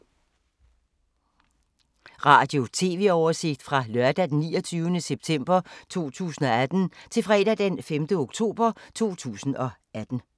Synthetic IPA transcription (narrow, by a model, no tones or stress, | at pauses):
ʁɑ̈ːd̥jo̝t͡sʰe̝ːʋe̝ɒʊɐse̝ɡ̥̚d̥fʁɑ̈lɶɐd̥æd̥enːḭːɒt͡sʰyːʊənəseb̥̚t͡sʰem̰b̥ɐt͡sʰo̝̰ːt͡sʰṵːsn̩ɒ̽æd̥n̩t͡sʰe̝lfʁɛ̰ːd̥æd̥enfemd̥əo̝ɡ̥t͡sʰo̝̰ːb̥ɐt͡sʰo̝̰ːt͡sʰṵːsn̩ɒ̽ʔæd̥n̩